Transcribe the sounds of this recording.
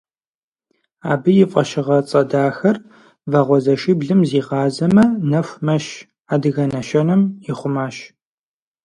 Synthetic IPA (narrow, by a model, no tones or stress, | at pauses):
a̰ːbɨjɪfʼɐʃɪʁɐt͡sʼɐdaːxɐr | vɐʁʷɔzɐʃiːbɮɨmziːʁɑːzɐmɐnɐxʷmɐʃ | aːdɨɣɐnɐʃɐnɨmjɪχʷʊmaːɕ